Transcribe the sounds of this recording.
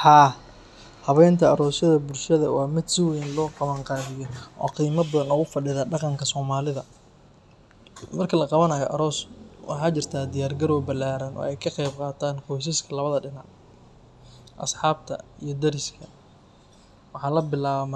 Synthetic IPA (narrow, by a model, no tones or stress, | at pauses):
ħɑː | hɐβɛjnt̪ʰɐɐɾɔːsɐðɐbʊlʃɐðɐwɑːmɪd̪sɪwɛjnlɔːqɑβɐŋqɑːðɪjɔʔɔ̰ːqiːmɐbɐðɐnɔɣʊfɐɖɪðaːɖɑqɑŋkʰɐsɔːmaːlɪðɐ | mɐrkʰɐlɐqɑβɐnɐjɔʔɐ̰ɾɔːswɑ̰ħɑːt͡ʃɪrt̪ʰaːd̪ɪjaːrɡɐɾɔːbɐlaːɾɐnʔɔ̰ːɛjkʰɐqɛjb̚qɑːt̪ʰaːnkʰɔjs̬ɪskʰɐlɐβɐðɐɖɪna̰ʕ | ʔɐsħɑːb̚t̪ʰɐ̰ijɞd̪ɐɾɪskʰɐ | wɑħɑːlɐbɪlaːβɐmɐ